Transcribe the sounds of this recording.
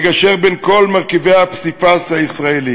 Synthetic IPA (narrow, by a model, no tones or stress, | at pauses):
ɡaʃeʁbenko̞lmaʁkivejhapsifashaisʁaeli